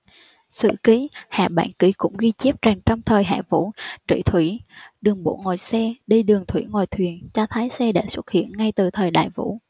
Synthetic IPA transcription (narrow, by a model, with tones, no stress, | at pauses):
sɨ̰˧˨ki˨˦ha̰ː˧˨ɓa̰ː˧˥˨nki˧˩˦kʊ̰˧˥ŋ͡mɣi˧t͡ɕi˦˥p̚t͡ɕaː˨˩ŋt͡ɕɔ˧wŋ͡mt̪ʰəː˨˩jɦa̰ː˧˨vṵ˧˥t͡ɕḭ˧˩˨t̪ʰwi˧˩ɗɨ˨˩əŋɓo̰˧˩˨ŋɔː˨˩jsɛ˧ɗi˧ɗɨ˨˩əŋt̪ʰwḭ˧˩ŋwaː˨˩jt̪ʰwi˨˩ənt͡ɕɔ˧t̪ʰaː˨˦jsɛ˧ɗa̰ː˧˥˩swə˦˥t̚hḭ˧˨ənŋa˧jt̪ɨ˨˩t̪ʰəː˨˩jɗa̰ː˧˨jvṵ˧˥